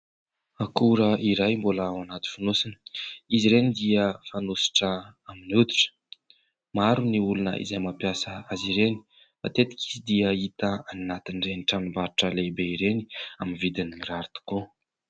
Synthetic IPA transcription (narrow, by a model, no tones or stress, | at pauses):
akuɾəiɾajmbolaawanat̪i̥fanosinə̥iziɾenid̪iəfanosi̥ʈ͡ʂəaminud̪i̥ʈ͡ʂə̥ | maɾuniulunə̰ʔḭzajmapjasəaziɾeni̥ | fa̰t̪ed̪i̥kʲʰi̥zid̪iəit̪aannat̪inreniʈ͡ʂanimbaɾiʈ͡ʂəlebeiɾeniaminvid̪iniɾaɾit̪u̥ko